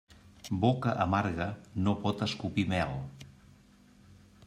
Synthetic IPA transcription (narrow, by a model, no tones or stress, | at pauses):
bokəʔəmaɾɣənopɔt̪əskupimɛlˠ